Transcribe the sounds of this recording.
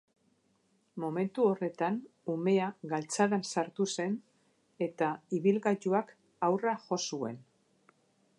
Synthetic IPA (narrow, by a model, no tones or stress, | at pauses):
mo̞me̞nt̪uo̞re̞t̪anume̞aɡalt͡saðansaɾt̪use̞n | e̞t̪aiβilɣat͡ʃuak | awraʝo̞sue̞̰n